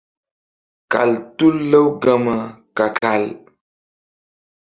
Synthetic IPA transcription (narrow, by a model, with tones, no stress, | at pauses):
ka̰˨ltu˦lːə˦wɡa˦mə˨ka˨ka˨l